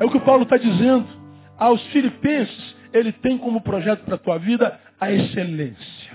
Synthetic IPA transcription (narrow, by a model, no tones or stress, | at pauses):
ɛʊkɪʊpawlʊt̪ad͡ʒizẽnd̪ʊ | awsfilipẽsɪ̥s | elɪt̪ẽj̃kõmʊpɾoʒɛt̪ʊ̥pɾɐt̪uɐvid̪ɐ | ɐeselẽsjɐ